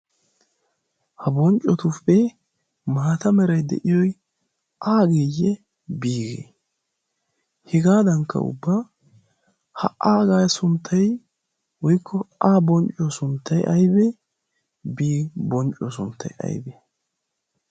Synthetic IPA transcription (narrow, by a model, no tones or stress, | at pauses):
hɐbɔnt͡ʃʼːɔt̪ʊpːɛ | maːt̪ɐmɛɾɐjd̪ɛ̰ʔɪjɔj | ʔaːɡejːɛ | biːɡḛ | hɛɡaːd̪ɐŋkːɐ̰ʊ̰bːaː | hɐ̰ʔaːɡaːjsʊnt̪ʰːɐj | wɔjkʰːɔaːbɔnt͡ʃʼɔsʊnt̪ʰːɐjɐjbɛ | biːbɔnt͡ʃʼɔsʊnt̪ʰːɐ̰jɐ̰jbɛ